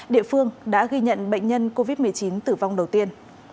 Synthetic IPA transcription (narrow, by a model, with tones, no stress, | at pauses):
ɗḭ˧˨əfɨ˧əŋɗa̰ː˧˥ɣi˧ɲə̰˧˨nɓə̰˧˨ŋ̟ɲə˧nko˧vi˦˥t̚mɨ˨˩əjt͡ɕi˨˦nt̪ɨ˨˩va˧wŋ͡mɗə˨˩wt̪i˧ən